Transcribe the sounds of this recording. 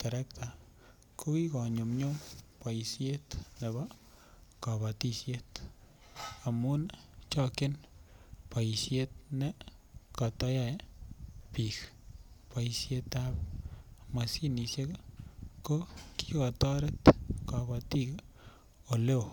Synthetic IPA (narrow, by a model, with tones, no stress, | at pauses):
t̪e˨ɾe˦kt̪a˨ | ko˦ɡi˦ɡa˨ɲo˨mɲo˦mpa˨jsje˦t̪ne˨ba˦ | ka˨ba˨t̪i˧sje˦t̪ | a˨mu˦nt͡ʃa˦ke˦n | pa˨jsje˦t̪̚ne˦ka˨t̪a˧ja˦˧jpi˨kpa˧jsje˦t̪a˦b | ma˨si˦ni˧se˦ka˦ko˦ki˦ɡa˨t̪a˦ɾe˦t̪ka˨ba˧t̪i˦ɡ | o˨le˦˨